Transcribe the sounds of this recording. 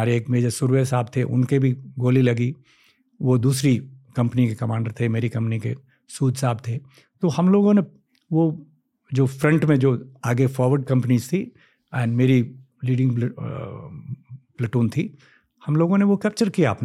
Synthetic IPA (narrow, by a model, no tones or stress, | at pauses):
aːɾeeːkmeːd͡ʒəsʊɾʋesaːb̚t̪ʰeʔʊ̰nkebʱiɡoːlilɐɡi | ʋod̪uːsɾikɐ̃mpnikekɐmaːɳɖəɾt̪ʰemeːɾikɐ̃mpnikḛ | suːd̪ʱsaːb̚t̪ʰe | t̪ohɐmloːɡõne | ʋo | d͡ʒoːfɾɐ̃ɳʈmẽd͡ʒoːaːɡefɔːɾʋəɾɖ̚kɐ̃mpnizt̪ʰi | ɛ̃ːnmeːɾi | liːɖɪ̃ŋɡ | plɛʈuːnt̪ʰiː | hɐmloːɡõneʋokɛːp̚t͡ʃəɾkijaːpn